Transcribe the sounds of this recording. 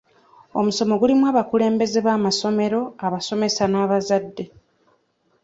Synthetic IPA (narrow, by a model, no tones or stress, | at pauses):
o̰muso̞mo̞ɡulimwaːβakule̞ːmbe̞ze̞βaːmaso̞me̞ɾo̞aβaso̞me̞sanaːβazadːe̞